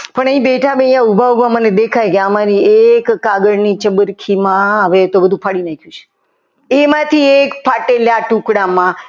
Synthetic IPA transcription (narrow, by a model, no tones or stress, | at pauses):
pəɳəɦĩbeʈʰabə̃jjãubʱaubʱãməned̪ekʰajkeəmaɾiekːaɡəɽnit͡ʃəbəɾkʰimãəʋet̪obəd̪ʱũpʰaɽinakʰjũt͡ʃʰe̥ | emãt̪ʰiekpʰaʈeljaʈũkɽamã